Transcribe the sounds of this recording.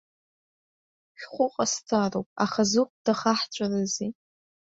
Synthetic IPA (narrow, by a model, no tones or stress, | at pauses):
ʃʲᶣχʷʊqʼastʰarowpʼa̰χazup̚ʰd̥aχaħt͡ʃʷʰʼarazi